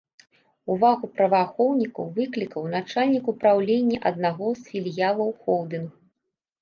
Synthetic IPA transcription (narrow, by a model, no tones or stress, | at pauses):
uvaɣupɾɐvaxɔwnʲikɐwvɨklʲikɐwnat͡ʂalʲnʲikupɾawlʲenʲːɐʔɐd̪̚naɣɔsfʲilʲjalˠɐwxɔwd̪ɨnu